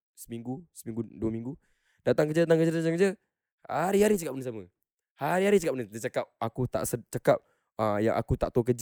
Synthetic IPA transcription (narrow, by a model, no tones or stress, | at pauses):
səmiŋɡusəmĩŋɡuduəmĩŋɡu | d̥at̪aŋkəd͡ʒət̪ət̪aŋkəd͡ʒət̪t̪aŋkəd͡ʒə | haɾiɦaɾit͡ʃakap̚bənəsamə | haɾiɦaɾit͡ʃakap̚ənət̪ət͡ʃakap̚akut̪a̰ʔsət͡ʃakap̚ | əja̰ŋʔa̰kut̪aʔt̪okəd͡ʒ